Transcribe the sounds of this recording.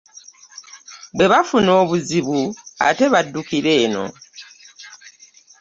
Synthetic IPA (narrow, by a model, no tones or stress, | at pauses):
bwe̞βafuno̞ːβuziβua̰te̞βadːukiɾe̞ːno̞̰